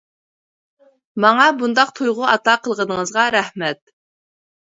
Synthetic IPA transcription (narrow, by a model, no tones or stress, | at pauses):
mɑŋɑbund̪ɑq̚t̪ʰujʁʊʔɑt̪ɑqʰəlˠʁənəŋəzʁɑɾæhmɛt̪̚